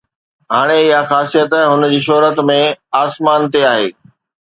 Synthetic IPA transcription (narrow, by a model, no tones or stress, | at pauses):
ɦaːɽ̃eɪɦaxaːsijət̪ɦʊnd͡ʑiːʃ̬ɔɦɾət̪mẽaːsmaːnt̪eaːɦḛː